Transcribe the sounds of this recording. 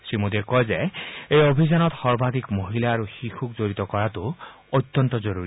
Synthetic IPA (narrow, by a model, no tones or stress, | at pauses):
simud̪ikɔjzeejobʱid͡ʒanɔt̪hɔɹbad̪ikmoɦilaːɾuxixʰuk̚d͡ʒoɹit̪ɔkɔɹat̪u | ɔjt̪ːɔnt̪ɔd͡ʒɔɾuɾi